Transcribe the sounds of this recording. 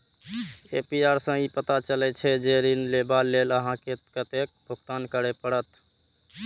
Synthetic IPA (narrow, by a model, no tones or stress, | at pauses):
epiaɾsə̃ipət̪at͡ʃəlɛt͡ʃʰɛd͡ʒeɾinlebalːeləɦãkekət̪ek̚bʱuɡt̪ankəɾepəɽət̪